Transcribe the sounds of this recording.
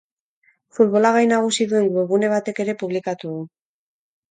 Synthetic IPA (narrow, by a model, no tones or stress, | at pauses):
fut̪βo̞laɣajnaɣ̞usiðue̞ŋɡue̞ɣ̞une̞β̞at̪e̞ke̞ɾe̞puβlikat̪uðu